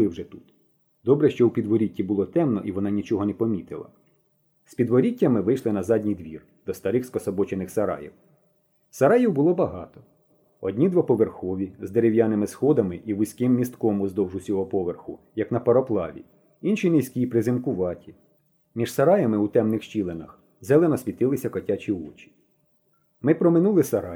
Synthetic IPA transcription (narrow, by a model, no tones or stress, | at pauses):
ɪwʒɛt̪ut̪ | d̪ɔbɾɛʃt͡ʃɔwpʲid̪ʋɔɾʲitʲːibʊlˠɔt̪ɛmnɔʔiʋɔnɑnʲit͡ʃɔɦɔnɛpɔmʲit̪ɪlˠɐ̰ | spʲid̪ʋɔɾʲitʲːɐmɪʋɪjʃlˠɪnɐzɑdʲnʲijd̪ʋʲir | d̪̥ɔst̪ɐɾɪxskɔsɔbɔt͡ʃenɪxsɐɾɑ̰jḭw | sɐɾɑjiwbʊlˠɔbɐɦɑ̰t̪ɔ̥ | ɔdʲnʲid̪ʋapɔʋerxɔʋʲizd̪eɾewjanɪmɪsxɔd̪ɐmɪʔiʋʊsʲkɪmːʲist̪kɔmʊzd̪ɔwʒʊsʲɔɦɔpɔʋerxʊ | jɐknɐpɔɾɔplˠɑʋʲḭ | inʃinɪsʲkʲipɾɪzɪmkʊʋɑtʲi | mʲiʒ̥sɐɾɑjɐmɪut̪ɛmnɪxʃt͡ʃilˠenɐx | zɛlˠenɔsʲʋʲit̪ɪlˠɪsʲɐkɔtʲat͡ʃʲiɔt͡ʃʲi̥ | mɪpɾɔmɪnulˠɪsɐɾɑ